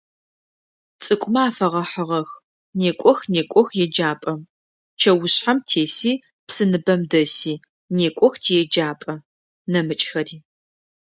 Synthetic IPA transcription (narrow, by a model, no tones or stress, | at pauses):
t͡sʼɨkʷʼʊmɐaːfɐʁɐħəʁɐx | neːkʷʼɔxneːkʷʼɔxjɛd͡ʒaːpʼɐ | t͡ʃʰɐwʊɕħamtʰeːsiː | psɨnɨbɐmdɐsiː | neːkʷʼɔxtʰiːjɛd͡ʒaːpʼɐ | nɐmɨt͡ʃʼxɐriː